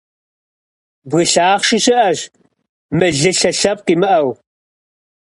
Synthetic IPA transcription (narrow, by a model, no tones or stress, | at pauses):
bɣɨɬaːχʃɪɕɪʔɐʑ | mɨɮɨɬɐɬɐp̚qiːmɨʔɐw